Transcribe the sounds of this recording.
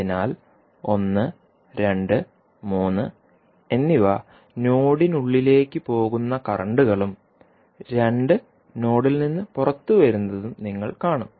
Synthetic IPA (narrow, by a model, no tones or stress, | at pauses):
inaːl | o̞nːɨ | ɾe̞ɳɖɨ | muːnːɨ | e̞nːiʋa | no̞ːɽinuɭːile̞ːkʲːɨpo̞ːɣunːɐkɐrɐɳɖuɣɐɭum | ɾe̞ɳɖɨ | no̞ːɽilninːɨpurɐt̪ːuʋɐɾunːɐðumniŋːɐɭkaːɳum